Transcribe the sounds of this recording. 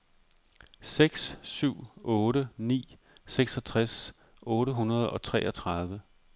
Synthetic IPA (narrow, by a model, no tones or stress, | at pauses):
seɡ̥ssyʊ̰ɔ̽ːɾənḭː | seɡ̥sɒ̽t͡sʰʁas | ʔɔ̽ːɾəɦunɐð̞ˠɒ̽t͡sʰʁɛ̰ːʔɒt͡sʰʁɑð̞ˠʋə